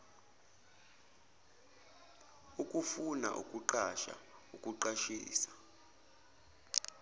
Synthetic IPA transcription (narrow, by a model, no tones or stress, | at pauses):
ukʼufuna̰ʔṵkʼuǃaʃa̰ukʼuǃaʃḭːsḁ